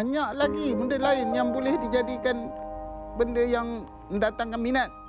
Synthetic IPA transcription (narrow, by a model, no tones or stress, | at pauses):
aɲaʔlaɡibəndəlaɪnjaŋbolɛhdid͡ʒadikan | bəndəjaŋ | ədat̪aŋkanminat̪̚